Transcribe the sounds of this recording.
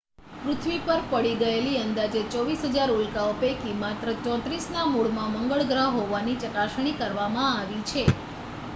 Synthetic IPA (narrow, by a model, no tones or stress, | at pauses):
pɾut̪ʰʋipəɾpəɽiɡəeliənd̪ad͡ʒet͡ʃɔʋisɦəd͡ʒaɾulkaupekimat̪ɾət͡ʃɔ̃t̪ɾisnamuɭmãməŋɡəɭɡɾaɦoʋanit͡ʃəkaʃɽ̃ikəɾʋamãaʋit͡ʃʰe